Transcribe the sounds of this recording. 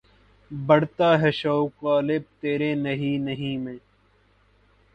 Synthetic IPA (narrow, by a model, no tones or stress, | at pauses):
bɐɽt̪aːɦɛʃɐwkaːlɪb̚t̪eːɾeːnɐɦiːnəɦĩːmẽː